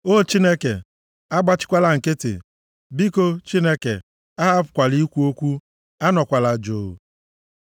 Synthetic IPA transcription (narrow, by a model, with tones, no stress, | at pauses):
o˦˨t͡ʃi˦ne˦ke˨ | a˦ɡ͡ba˦t͡ʃɪ̥˦kʷa˦la˦ŋ̩˨ke˦tḛ˨ | bi˦ko˦t͡ʃi˦ne˦kḛ˨ | a˦ɦa˦pʊ˨kʷa˨li˦kʷu˦o˦kʷu˦ | a˦nɔ˨kʷa˨la˨d͡ʒoː˨